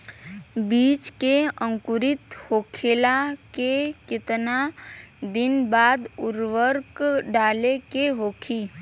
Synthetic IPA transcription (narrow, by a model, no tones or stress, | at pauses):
biːt͡ʃkeə̃ŋkʊɾɪt̪hoːkʰeːlakekɪt̪nad̪ɪnbaːd̪ʊɾʋəɾkɖaːlekeɦoːkʰiː